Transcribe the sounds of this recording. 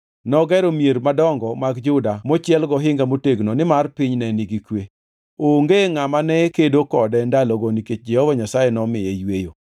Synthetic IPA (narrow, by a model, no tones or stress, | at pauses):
nɔɡɛɾomjeɾmadɔŋɡɔmaɡd͡ʒʊdamɔt͡ʃɪɛlɡɔɦɪŋɡamoteɡnonɪmarpɪɲnɛnɪɡikwe | oŋɡeŋamanɛkedokɔdɛndalɔɡɔniket͡ʃ̚d͡ʒɛhɔvaɲasajenɔmɪjɛjwejo